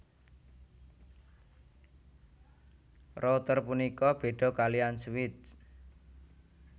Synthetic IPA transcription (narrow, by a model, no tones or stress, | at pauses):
rot̪ərpunikɔb̥e̤ɖ̥ɔ̤kalianswɪt̪̚